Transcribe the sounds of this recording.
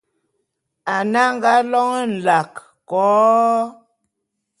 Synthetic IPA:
a˨na˦ŋ˦ɡa˦lɔ˦ŋə˦n̩˨la˨k | kɔː˨˦

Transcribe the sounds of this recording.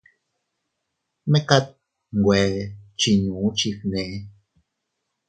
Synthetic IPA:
mɛ˦ka˦t̪̚ | ŋ˨ɡwɛ˨t͡ʃi˨nũ˨˦t͡ʃi˧fnɛ˨˦

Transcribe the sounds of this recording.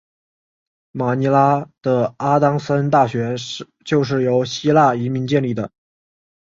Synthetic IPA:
ma˨˩ni˧˥la˥d̪̥ə˨a˥t̪ɑ˥ŋsə˥nt̪a˥˩ɕɥɛ˧˥ | t͡ɕjo˥˧ʊʂ̬ɻ̩˥˩jo˧˥ʊɕi˥la˥˩i˧˥mi˧˥ŋt͡ɕjɛ˥˧nli˥˩d̪ə˩

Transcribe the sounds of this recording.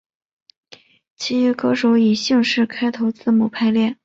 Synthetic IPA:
t͡ɕʰi˧˥y˧˥kɤ˥ʂo˧˥ʊi˨˩ɕi˥˧ŋʂɻ̩˥˩kʰa˥ɪt̪ʰo˧˥ʊt͡sɹ̩˥˩mu˨˩pʰa˥˧ɪljɛ˥˩n

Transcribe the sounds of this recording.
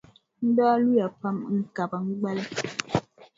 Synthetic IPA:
n̩˦dɔː˦lu˦ja˨pa˦mŋ̩˨ka˨ba˨ŋ̩˦ɡ͡bɛ˦lɛ˦

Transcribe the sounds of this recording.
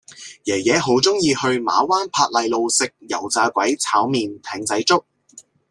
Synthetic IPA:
jɛː˨˩jɛː˨˧ɦo˨˥wt͡sʊ˥ŋjiː˧hɵ˧ɥma̰ː˨˥waː˥npʰaː˧t̚lɐ˨˧jlo˨wsɪ˨k̚jɐ˨˩wt͡saː˧kʷɐ˨˥jt͡sʰaː˨˥wmiː˨nt̪ʰɛː˨˥ŋt͡sɐ˨˥jt͡sʊ˥k̚

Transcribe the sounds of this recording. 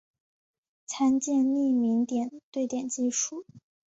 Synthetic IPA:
t͡sʰa˥nt͡ɕjɛ˥˧nni˥˩mi˧˥ŋt̪jɛ˨˩nt̪we˥˩ɪt̪jɛ˨˩nt͡ɕi˥˧ʂu˥˩

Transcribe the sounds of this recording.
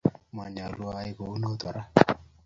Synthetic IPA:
ma˨ɲa˨lu˦a˨˦i˦ko˨u˦no˦t̪ɔ˨ɾa˦

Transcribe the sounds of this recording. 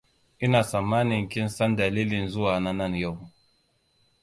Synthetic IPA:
i˦na˨sa˨ma˦ni˨ŋ̩˨ki˦n̩˦sa˦nda˨li˦li˨n̩˨zu˦wa˨na˦na˦˨n˨jo˦˨

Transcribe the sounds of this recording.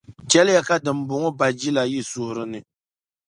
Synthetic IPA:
t͡ʃɛ˦lɪ˦ja˦ka˦dɨ˨m˨bʊ˨ŋɔ˦ba˨d͡ʒi˦la˨ji˦sʊ˦hʊ˨ɾɨ˦nɨ˨

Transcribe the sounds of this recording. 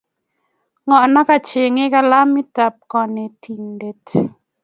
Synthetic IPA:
ŋɔ˨na˦ka˨t͡ʃe˨ŋɪ˦ka˦la˦mi˦ta˨p̚kɔ˨nɛ˨tʰi˨ŋde˨t

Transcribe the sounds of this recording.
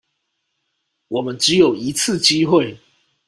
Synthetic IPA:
wɔ˨˩mə˨˦nʈ͡ʂɻ̩˨˦jo˨˩ʊi˨˦t͡s̩ʰ˥˨t͡ɕi˦xwe˥˨ɪ

